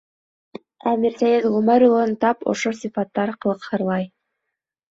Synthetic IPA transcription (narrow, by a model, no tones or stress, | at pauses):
æmiɾsæjid̪ʁʊmæɾulˠɑnt̪ɑpo̰ʃosifɑt̪ːɑɾqɤ̆lˠɤ̆qhɤɾlˠɑj